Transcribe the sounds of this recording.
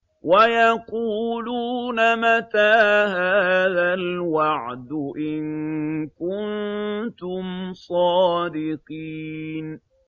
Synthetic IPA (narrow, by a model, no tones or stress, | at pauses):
wajɑquːluːnamat̪aːhaːðalwɑʕd̪ʊʔɪnkʊnt̪ʊmsˤɑːd̪ɪqin